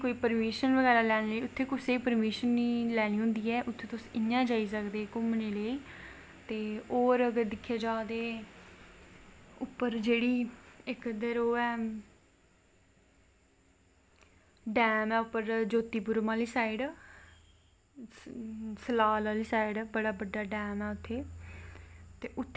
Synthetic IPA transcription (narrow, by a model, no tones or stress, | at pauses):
koːiːpəɾmiːʃənʋəɡɛːɾaːlɛːñeːləiːʊt̪ʰːeːkʊseːpəɾmiːʃənːiːlɛːñĩːɦʊ̃nd̪iːɛːʔʊt̪ʰːeːt̪ʊsɪnːãːd͡ʒaːiːsəkd̪eːkʊmneːləiː | t̪eːoːɾəɡəɾd̪ɪkʰːaːd͡ʒaːd̪eː | ʊpːəɾd͡ʒeːɽiːɪkd̪əɾoːɛː | ɖɛːmɛːʊpːəɾd͡ʒoːt̪iːbʊɾmaːliːsaːɪɖ | səlaːlaːliːsaːɪɖbəɽaːbəɖːaːɖɛːmɛːʊt̪ʰːeː | t̪eːʔʊt̪ʰː